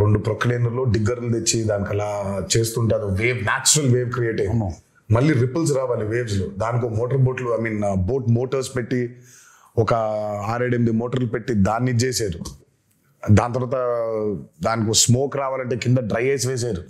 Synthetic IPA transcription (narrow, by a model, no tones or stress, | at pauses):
ɾoɳɖupɾokleːnɐɾlo̞ːɖiɡːɐɾlt̪et͡ʃːid̪aːnikɐlaːt͡ʃe̞ːst̪uːɳʈeɐd̪uʋeːʋnaːt͡ʃːuɾɐlʋeːʋkɾijeːʈɐjo | mɐlːiɾipːɐls̬ɾaːʋaːliʋeːʋs̬lud̪aːnik̬omoːʈɐɾboːʈluaːmiːnboːʈmoːʈɐɾspeʈːi | ɔkɐaːɾeɖemd̪imoːʈɐɾlpeʈːid̪aːnːid͡ʒeːsaːɾu | d̪aːnt̪ɐɾʋaːt̪ɐ | d̪aːnikiosmoːkɾaːʋaːlɐɳʈe̞ːkind̪ɐɖɾɐjeːs̬ʋeːs̬aːɾu